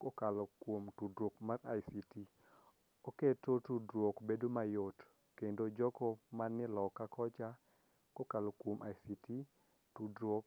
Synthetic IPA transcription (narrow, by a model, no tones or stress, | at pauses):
kokalɔkwomtudɾokmarajsiti | oketotudɾwokbedomajot | kendod͡ʒɔkɔmanːɪlɔkakʰɔt͡ʃa | kokalɔkwomʔa̰jsiti | tudɾwok